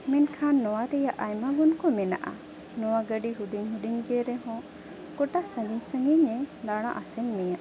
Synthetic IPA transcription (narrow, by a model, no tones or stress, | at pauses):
mɛnkʰanːɔwaɾɛjaʔajmaɡunkɔmɛna̰ʔa̰ | nɔwaɡəɖiɦud̪iɲɦud̪iɲɡɛɾɛɦɔ̃ | kɔʈasə̃ŋiɲsəŋɡiɲɛd̪aɽ̃ã̰ʔasɛɲmɛjaʔ